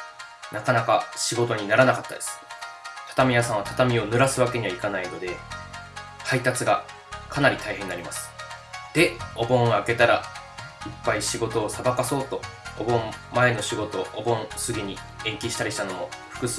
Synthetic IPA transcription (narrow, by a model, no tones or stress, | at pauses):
nakanakaɕiɡo̞t̪o̞ɲ̟inaɾanakat̪ːad̪e̞sɨ̥t̪ʰḁt̪amʲijasãɰ̃βat̪ḁt̪amʲio̞nɯ̟ɾasɨβake̞ɲ̟iβaikanaino̞d̪e̞ | hait̪at͡sɨɡa | kʰanaɾʲit̪aihɦẽ̞nːaɾʲimasɨ̥ | d̪̥e̞o̞bõ̞ɰ̃ake̞t̪aɾaipːaiɕiɡo̞t̪o̞ːsabakaso̞ːt̪o̞ːbõ̞mmae̞no̞ɕiɡo̞t̪o̞ʔobõ̞ɰ̃sɨɡʲiɲ̟i | ẽ̞ŋkʲiɕi̥t̪aɾʲiɕit̪ano̞mo̞ɸɯ̥kɯ̟s